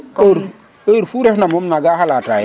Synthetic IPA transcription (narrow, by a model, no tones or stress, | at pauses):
oɾ | əɾfuɾehnamomnaɡahalataj